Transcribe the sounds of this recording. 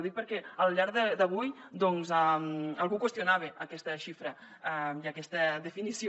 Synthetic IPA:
ðik̚pəɾkɛəlʎaɾðəd̪əβujd̪ɔnzamalˠɣukwəst̪junaβeəkɛst̪əʃifɾə | ɛiakɛst̪əðefinisj

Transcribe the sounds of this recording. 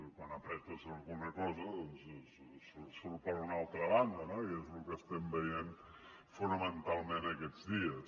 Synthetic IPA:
kwanapɾɛt̪uzəlˠɣunəkɔzəðɔnss | ssuɾpɔzunalˠt̪ɾəβand̪ənoiezlukəst̪ɛmbəjen | funəmənt̪alˠmẽnəkɛzðiəs

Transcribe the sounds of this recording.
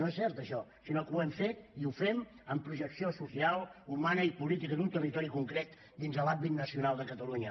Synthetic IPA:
noesːɛɾt̪əʃɔsinokuɛmfet̪iufem | əmpɾuʒəksiosusialˠumanəipulit̪ikəd̪unt̪ərit̪ɔɾikuŋkɾet̪ | d̪inzðəlambit̪nəsiunalˠd̪əkət̪əluɲə

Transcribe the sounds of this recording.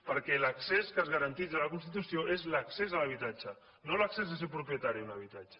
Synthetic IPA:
pəɾkɛlakseskazɣaɾant̪it̪əlakunst̪it̪usjoʔezlaksezalaβ̞it̪at͡ʃa | nõlaksezðəsepɾupjət̪aɾiunaβ̞it̪at͡ʃḁ

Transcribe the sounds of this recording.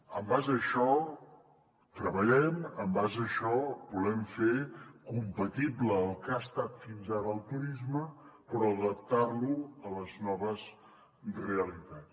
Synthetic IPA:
əmbazəʃɔ | t̪ɾəβəʎɛməmbazəʃɔbulɛmfekumpət̪ibləːlˠkast̪at̪finzaɾəːlˠt̪uɾizməpɾɔəðəp̚t̪arluələznɔβəz | reəlit̪at͡s

